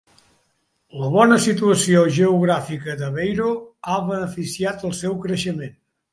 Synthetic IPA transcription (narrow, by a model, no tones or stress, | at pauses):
ləβ̞ɔnəsit̪uəsioʒəuɣ̞ɾafikəðəβejɾoaβənəfisiat̪əlˠsɛwkɾəʃəmen